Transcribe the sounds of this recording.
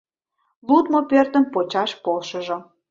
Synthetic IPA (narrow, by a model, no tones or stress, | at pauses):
lut̪mopørt̪ə̆mpot͡ɕɑʃpolʃə̆ʒŏ